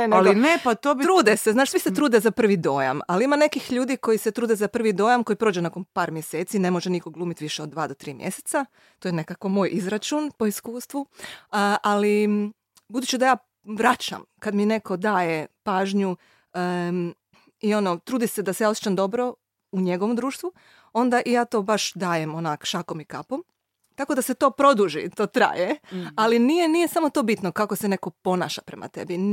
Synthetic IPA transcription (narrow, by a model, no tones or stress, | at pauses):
nenlinepat̪obit̪ɾuːd̪eseznaːʃsʋiset̪ɾuːd̪ezapr̩ʋid̪o̞ːja̰maliimane̞kixʎuːd̪iko̞jiset̪ɾuːd̪ezapr̩ʋid̪o̞ːjamko̞jipɾod͡ʒenako̞npaːɾmjeseːt̪sine̞mo̞ʒenikoɡlˠuːmit̪ʋiʃeo̞d̪d̪ːʋaːd̪ot̪ɾiːmjḛset̪sa | t̪ojne̞kako̞mo̞ːjʔizɾat͡ʃunpo̞iskuːst̪ʋu | ʔali | bud̪uːt͡ʃid̪ajaː | ʋɾat͡ʃa̰mkad̪mine̞ko̞d̪aːje̞paːʒɲu | io̞not̪ɾuːd̪ised̪asejaosjet͡ʃamd̪o̞bɾo̞ | uɲe̞ɡoʋomd̪ɾuːʃt̪ʋu | o̞nd̪aʔijaːt̪o̞ːbaʃd̪aːje̞monakʃakomikapo̞m | t̪ako̞d̪ase̞t̪o̞ːpɾo̞d̪uʒḭt̪o̞ːt̪ɾa̰ːjealinije̞nije̞samo̞t̪o̞ːbit̪nokakosene̞ko̞po̞na̰ːʃapɾe̞̰ma̰t̪e̞̰bi